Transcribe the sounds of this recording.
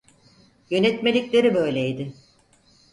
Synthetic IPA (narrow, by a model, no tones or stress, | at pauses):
jø̞nɛt̪melʲiclʲe̞ɾibø̞jlʲeid̪ɪ